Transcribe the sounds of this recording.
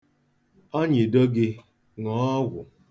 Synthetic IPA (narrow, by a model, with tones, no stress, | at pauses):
o˦ɲɪ˨do˦ɡɪ˦ | ŋɔ˨˦ɡʷʊ˨